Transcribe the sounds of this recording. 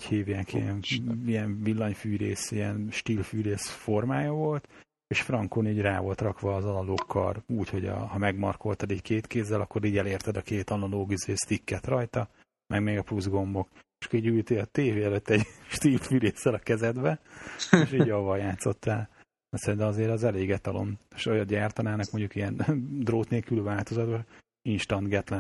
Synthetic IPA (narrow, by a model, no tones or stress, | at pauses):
chiːvjaːkḭɛnijɛɱvilːɒɲfyːɾeːsiɛnʃt̪iːlfyːɾeːsfo̞rmaːjɒvo̞lt̪ | eʃfrɒŋkoniːɟraːvo̞lt̪rɒkʋɒːzɒlɒloːkʰːɒ̰ruːcho̞ɟɒ̰hɒmɛɡmɒrko̞lt̪ɒd̪iɟkʰeːt̪keːzːɛlɒkːo̞ɾiːɟɛleːrt̪ɛd̪ɒkeːt̪ɒnɒloːɡizeːst̪ikːɛt̪rɒjt̪ɒ | mʔɛɡmeːɡɒpuzɡo̞mbo̞keʃkoɾiːɟylt̪eːɒt̪eːveːɛløt̪ːɛɟʃt̪iːlffyleːsːɛlɒkɛzɛd̪bɛeʃiːɟɒvɒjaːt̪so̞t̪ːaːl | ɛcʲsɛɾint̪ɛmɒzeːɾɛzɛleːɡɛt̪ɒlo̞̰neʃojɒd̪ɟaːrt̪ɒnaːnɒkmo̞ɲɟukijɛnd̪roːt̪neːlkylvaːlt̪o̞zɒd̪bɒ | inʃt̪ɒnd̪ɡɛt̪lɛ